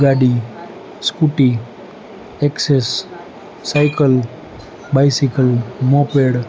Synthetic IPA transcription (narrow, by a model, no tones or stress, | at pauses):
ɡaɖi | skuʈi | eksesː | ajkəl | bajsikəlmopeɽ